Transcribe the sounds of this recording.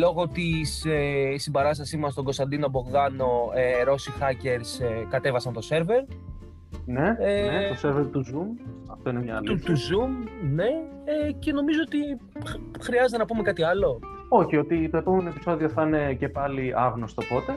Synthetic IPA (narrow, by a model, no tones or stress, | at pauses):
lo̞ɣo̞t̪isesimbɐɾɐst̪ɐsizmɐst̪o̞ŋɡo̞st̪ɐnd̪inɐbo̞ɣɣɐno̞eɾo̞sixɐce̞ɾskɐt̪e̞vɐsɐnt̪o̞se̞ɾve̞ɾ | neeet̪oseɾveɾt̪uzumɐft̪oineɲɐlut̪uzumne̞ | ece̞no̞mizo̞ot̪i | xɾiɐzet̪enɐpume̞kɐt̪iɐlo̞ | o̞çiot̪it̪o̞e̞po̞meno̞e̞pi̥so̞ðioθɐne̞ce̞pɐliɐɣnost̪opo̞t̪e̞